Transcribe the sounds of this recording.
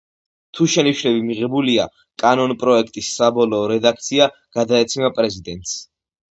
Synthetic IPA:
t̪ʰuʃɛniʃlɛbimiʁɛbulia | kʼanɔnpʼɾɔɛkʰt̪ʼisːabɔlˠɔːɾɛd̪ak̚ʰt̪sʰia | ɡ̥ad̪aɛt̪sʰinapʼɾɛzid̪ɛnt̪ʼs

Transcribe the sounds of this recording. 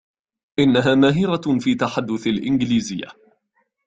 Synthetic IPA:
ʔɪnːaɦaːmaːɦiːɾafiːt̪aħad̪ːʊθalʔɪnɡɪliːzɪjːa̰

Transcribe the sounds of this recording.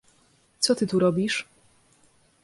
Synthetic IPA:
t̪sɔt̪ɘt̪uɾɔbʲiʂ

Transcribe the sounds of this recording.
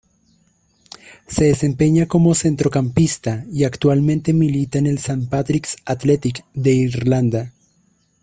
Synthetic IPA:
se̞ðese̞mpe̞ɲako̞mo̞se̞nt̪ɾo̞kampist̪aiakt̪walmẽnt̪e̞milit̪aene̞lsampat̪ɾiksat̪le̞t̪ikd̪e̞iɾland̪a

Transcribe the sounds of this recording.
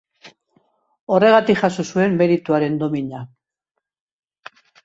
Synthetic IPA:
o̞re̞ɣat̪ikʝasusue̞mːe̞ɾit̪uaɾe̞nd̪o̞miɲa

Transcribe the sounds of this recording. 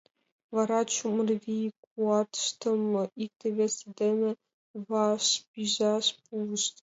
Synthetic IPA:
vɑɾɑt͡ɕumɤ̆rvʲikuɑt̪ʃt̪ɤ̆mɤ̆ik̚t̪ʲĕβʲesʲɘd̪ʲĕmʲɘ̆ | vɑʂpʲiʑɑʂpulˠɤ̆ʃt̪

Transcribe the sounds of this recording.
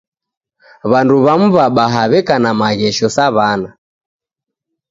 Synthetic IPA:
βanduβam̩βaɓaɦaβɛkanamaɣɛʃɔsaβana

